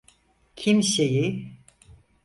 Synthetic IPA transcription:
cʰimʃeji

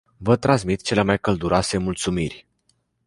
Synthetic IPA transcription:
vət̪ɾans̬mit̪t͡ʃe̞lemajkəld̪uɾase̞mult̪sumirʲ

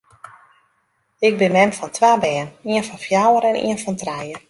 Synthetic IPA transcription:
ɪɡ̚bɪnmɛmfɔntʰʋaːbɛːniənfɔnfjawəɾɛnʔḭənfɔntrɛjə

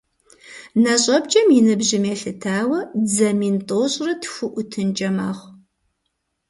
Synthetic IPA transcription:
nɐɕʼɐbd͡ʒʼɐmjɪnɨbʒɪmeːɬɨtʰaːwɐd͡zɐmiːntʼoːɕʼrɨtʰxʷʊʔʷʊtʰɨnd͡ʒɐma̰ːχʷ

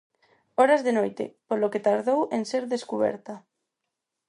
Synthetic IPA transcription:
oɾazðenojt̪ḛpoloket̪aɾðowenseɾðeskuβ̞ḛɾt̪a

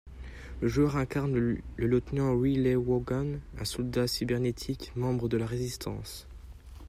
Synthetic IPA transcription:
ləʒœʁɛ̃kaʁnlələt̪nɑ̃ʁilewɔɡanɛ̰̃sɔld̪asibɛʁnet̪ʰikmɑ̃bʁəd̪əlaʁezist̪ʰɑ̃s

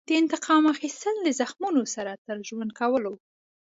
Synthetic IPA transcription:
d̪̥əɪnt̪ɪqɑmaxist̪əllazaxmunosaɾat̪əɾʒwand̪̚kawəlo

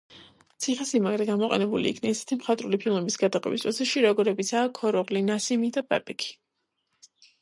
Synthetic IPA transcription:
t̪sʰiχɛsimaɡɾɛɡamɔqʼɛ̰nɛbulḭːkʰnɛisɛ̥t̪ʰimχat̪ʼɾulipʰilˠmɛbisɡad̪aqʼwɛ̰bḭspʼɾɔsʰɛʃiɾɔɡɔɾɛbit̪sʰaːkʰɔɾɔʁlinasimid̪apʼɛ̰pʼɛkʰi̥

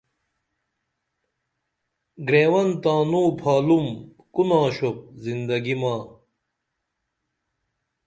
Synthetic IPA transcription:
ɡɾeːwɐnt̪ãːnuːpʰaːlum | kunãːɕop̚zind̪ɐɡimaː

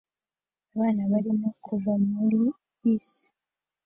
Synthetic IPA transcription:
aβaːnaβaɾimokʰuvamulu | wiːsi̥

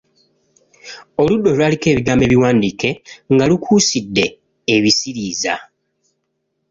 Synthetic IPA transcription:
o̞ludːo̞lwaːlike̞ːβiɡaːmbe̞βiwaːndiːke̞ŋɡalukʰuːsidːe̞ː | βisiɾiːza

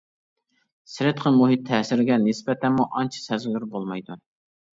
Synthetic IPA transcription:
sɪɾɪt̪qʰənmoɦit̪ʰːɛsɪɾɡʲɛnɪsbɛt̪ʰɛnmuʔɑnt͡ʃʰi̥sɛzɡlɪɾbolˠmɑjd̪u

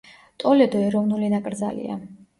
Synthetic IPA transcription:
t̪ʼɔlɛd̪ɔɛɾɔvnulinakʼɾd̪za̰lḭa̰

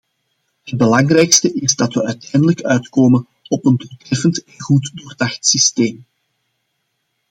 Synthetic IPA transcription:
ɦəd̚bəlɑŋrɛjkstəʔɪzdɑtʋəœɥtʰɛjndələkœɥtkoːmən | ɔpəndutrɛfəntɛnɣutdoːrdɑxtsisteːm

